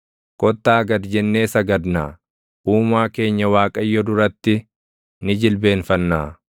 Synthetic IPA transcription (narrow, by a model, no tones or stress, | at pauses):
kʼɔt̪ːaːɡɐd̪d͡ʒɛnːe̞ːsɐɡɐd̪na̰ː | ʔuːmaːke̞ːɲːɐwaːkʼɐjːɔd̪ʊɾɐt̪ːɪ | nɪd͡ʒɪlbe̞ːnfɐnːaː